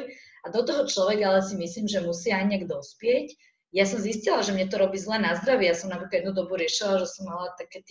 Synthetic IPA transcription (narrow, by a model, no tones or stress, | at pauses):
ad̪ɔt̪ɔɦɔt͡ʃlɔʋɛɡaalɛsimisliːmʒɛmusɪaajɲɪaɡd̪ɔspɪɛc | jasɔmziscilaʒɛmɲɛt̪ɔɾɔbiːzlɛːnazd̪ɾaʋijasɔmnapɾikajɛd̪nud̪ɔbuɾɪɛʃilaʒɛsɔmːalat̪akɛːt̪